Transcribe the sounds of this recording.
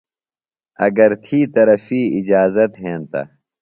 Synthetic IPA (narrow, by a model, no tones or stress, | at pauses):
ɐɡɐɾt̪ʰiːt̪ɐɾɐfiːɪd͡ʑaːzɐt̪ɦẽːnt̪a̰